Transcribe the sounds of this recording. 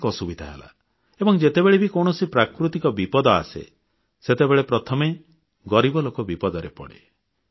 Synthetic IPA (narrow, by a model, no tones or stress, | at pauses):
kɔsubit̪ʰaɦḛla̰ | ebɔŋd͡ʒet̪ebeɭebikɔɽ̃ɔsipɾakɾut̪ikɔbipɔd̪ɔa̰sḛ | set̪ebeɭepɾɔt̪ʰɔme | ɡɔɾibɔlokɔbipɔd̪ɔɾepɔ̰ɽḛ